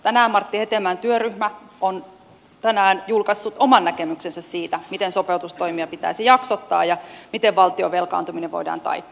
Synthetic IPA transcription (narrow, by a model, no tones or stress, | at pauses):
t̪ænæːmmɑrt̪ːihet̪emːæːnt̪yøryhmæ | on | t̪ænæːnjulkɑsːut̪omɑnːækemyksensæssiːt̪æmit̪ensopeut̪ust̪oimiɑpit̪æ̰ːsijɑksot̪ːɑ̰ːjɑmit̪eʋʋɑlt̪ioʋelkɑ̰ːnt̪umineʋʋo̰idɑ̰ːnt̪ɑ̰jt̪ˑː